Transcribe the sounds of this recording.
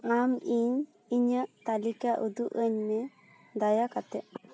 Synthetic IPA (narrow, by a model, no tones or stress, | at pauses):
amiɲ | iɲəʔt̪alikaʔud̪uʔəɲmɛ | d̪ajakat̪ɛʔ